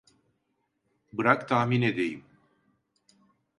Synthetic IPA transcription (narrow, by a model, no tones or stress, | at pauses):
bɨɾakt̪aːmined̪ejim